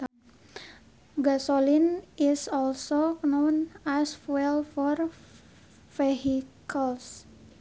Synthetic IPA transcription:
ɡasolinisɔlsononaswɛlfɔr | feɦikʰəls

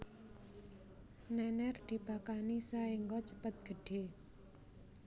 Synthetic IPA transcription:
nɛnɛrd̪̥i̤bakanisaeŋɡɔt͡ʃəpət̪̚ɡ̥ə̤ɖ̥e

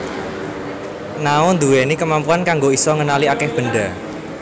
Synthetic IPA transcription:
naʊnd̪uwenikəmampuankaŋɡoisɔŋənaliakɛhb̥ə̤ɳɖa

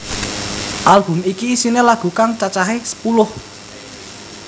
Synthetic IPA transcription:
ʔalb̥ʊ̤mikiːsinelaɡ̥ṳkaŋt͡ʃat͡ʃaɦesə̥pulʊh

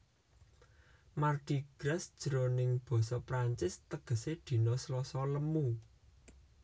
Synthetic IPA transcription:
marɡ̥i̤ɡ̥ɾɛsd̥ʒ̥ə̤ɾonɪŋb̥ɔ̤sɔpɾaɲt͡ʃɪst̪əɡ̥ə̤sed̪̥i̤nɔslɔsɔləmu

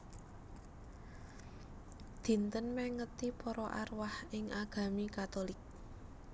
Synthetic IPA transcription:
d̪̥i̤nt̪ənmɛŋət̪ipɔɾɔʔa̰rwahɪŋʔaɡ̥a̤mikat̪olɪk̚

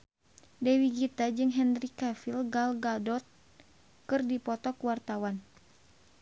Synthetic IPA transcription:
dɛwiɡit̪ad͡ʒɨŋɦɛnɾikafilɡalɡadɔt̪̚ | kɨrdipɔt̪ɔkwart̪awan

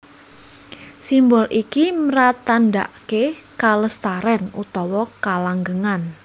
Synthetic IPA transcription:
simbɔlʔikiməɾat̪anda̰ʔkekaləst̪aɾɛnut̪ɔwɔkalaŋɡəŋan

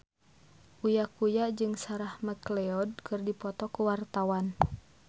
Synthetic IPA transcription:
ʔujakujaʔd͡ʒɨŋsaɾahməklɛɔd̚kɨrdipɔt̪ɔkuwart̪awan

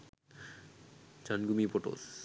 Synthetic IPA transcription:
d͡ʑanɡumipoʈo̰s

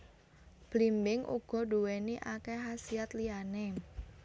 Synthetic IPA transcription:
b̥limbɪŋʔṵɡ̥ɔ̤ɖuweniʔakeɦasiat̪liane

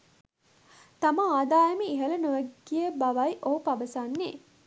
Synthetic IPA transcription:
t̪ɐmɐaːd̪aːjɐmiiɦɐlɐnuʋæɡːijebɐʋɐjiʔoɦupɐʋɐsanːeː

